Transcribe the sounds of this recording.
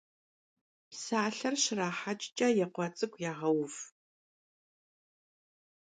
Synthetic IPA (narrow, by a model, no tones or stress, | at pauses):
psaːɬɐrʃɪraːħat͡ʃʼt͡ʃʼɐjɛqʷɔt͡sʼɨkʷʰʼjaːʁɐwf